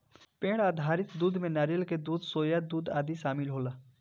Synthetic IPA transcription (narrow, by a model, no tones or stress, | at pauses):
pẽːɽaːd̪ʱaːɾɪt̪d̪uːd̪mẽnaːɾijəlked̪uːd̪soːjad̪uːd̪aːd̪iʃaːmɪlɦoːlaː